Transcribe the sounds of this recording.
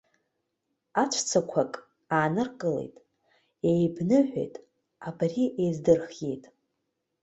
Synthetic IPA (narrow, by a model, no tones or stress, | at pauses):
at͡ʃʷʰt͡sʰakʷʰakʼ | aːnɨrkʼɨlḛjtʼ | ejbnɨħʷᶣḛjtʼ | abriʔejzdɨrχje̞jtʼ